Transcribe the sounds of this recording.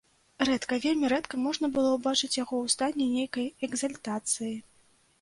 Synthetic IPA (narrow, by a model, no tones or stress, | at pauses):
rɛt̪kɐvʲelʲmʲiɾɛt̪kɐmɔʐnɐbɨlˠɔwbat͡ʂɨt͡sʲjaɣɔwst̪anʲːɛnʲejkɐjɛɡzɐlʲt̪at̪sɨji